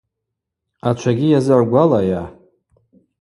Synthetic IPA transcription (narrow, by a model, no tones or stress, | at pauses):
at͡ʃʷʰaɡʲijazaʕɡʷalaja